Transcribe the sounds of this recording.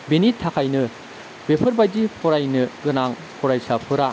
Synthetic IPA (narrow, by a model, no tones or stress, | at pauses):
benitʰːakʰajnɯ | bepʰɐɾbajdipʰɔɾajnɯɡɯnaŋ | pʰɔɾajsapʰɯɾa